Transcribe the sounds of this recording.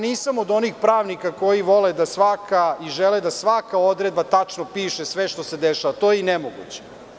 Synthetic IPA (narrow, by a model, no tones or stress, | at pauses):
niːsamod̪o̞nixpɾaːʋnikako̞jiʋo̞led̪asʋakʰaiʒeled̪asʋakao̞d̪ɾed̪̚bat̪at͡ʂnopiːʃesʋeʃt̪o̞se̞d̪eʃaʋat̪oːjeinemoɡṵt͡ɕe̥